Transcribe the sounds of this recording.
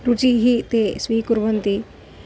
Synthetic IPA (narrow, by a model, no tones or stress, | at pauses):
ɾut͡ʃiɦit̪esʋiːkuɾʋənt̪i